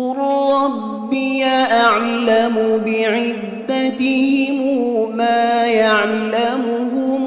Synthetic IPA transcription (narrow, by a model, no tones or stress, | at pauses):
ʊɾɾˤɑbːɪjaʔaʕlamʊbɪʕɪd̪ːat̪ɪhɪmwmaːjaʕlamʊɦʊm